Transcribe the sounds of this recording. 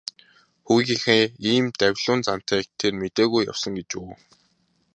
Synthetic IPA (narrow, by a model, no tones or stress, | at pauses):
xuɣʲiŋxeiːmt̪æwʲɮʊːnt͡san̥t̪æːk̚t̪ʰermet̪eːɣujːa̰wsə̆ŋɡet͡ɕuː